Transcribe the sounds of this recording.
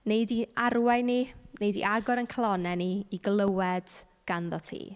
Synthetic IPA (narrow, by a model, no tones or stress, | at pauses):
nejdiaɾwaɨninejdḭʔaɡɔɾənkʰəlˠɔnɛniːɡlˠəwɛd̥ | ɡ̥anðɔtʰḭː